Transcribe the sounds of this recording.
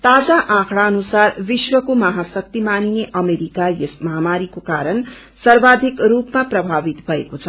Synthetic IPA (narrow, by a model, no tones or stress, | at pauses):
t̪ad͡zaʔãkʰɽaʌnusaɾbiswʌkomʌɦasʌk̚t̪imanineʔʌmeɾikajesmʌɦamaɾikokaɾən | sʌɾbad̪ʱikɾupmaprʌbʱabit̪bʱʌekot͡sʰʌ